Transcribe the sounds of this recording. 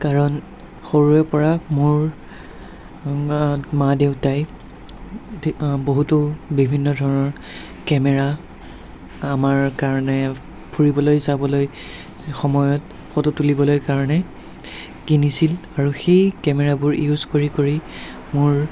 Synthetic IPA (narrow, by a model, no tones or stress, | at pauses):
kaɹɔn | xoɹuɛpɔɹamʊɹ | madeʊtaj | boɦutʊbibʱinːɔdʱɔɹɔnɔɹ | kɛmɛɹa | amaɹkaɹɔnɛ | pʰuɹibɔlojzabɔloj | xɔmɔjɔt | xɔtutulibɔlojkaɹɔnɛ | kinisilaɹuxejkɛmɛɹabʊɹijuzkoɹikoɹi | mʊɹ